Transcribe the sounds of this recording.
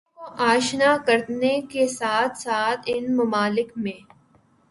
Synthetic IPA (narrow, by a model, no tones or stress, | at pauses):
oʔaːʃnakɐɾt̪nekesaːt̪ʰsaːt̪ʰɪnmɐmaːlɪkmẽː